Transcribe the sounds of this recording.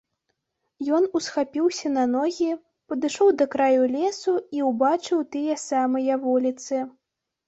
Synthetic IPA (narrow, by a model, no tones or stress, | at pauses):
jɔnusxapʲiwsʲɐnɐnɔɣʲi | pɐd̪ɨʂɔwd̪ɐkɾajulʲɛsuiwbat͡ʂɨwt̪ɨjɐsamɐjɐvulʲit̪sɨ